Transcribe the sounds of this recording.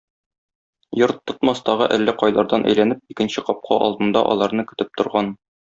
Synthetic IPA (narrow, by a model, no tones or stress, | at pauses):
joɾt̪ːŏt̪mɑst̪ɒʁɤʔælːæqɒjlˠɑɾd̪ɑnʔæ̰jlænɘp̚ikɘ̆nɕɘqɒp̚qʰɑʔɒ̰lˠd̪ɤ̆nd̪ɑʔɒ̰lˠɑɾnɤkɵ̆t̪ɘp̚t̪ŏɾʁɑn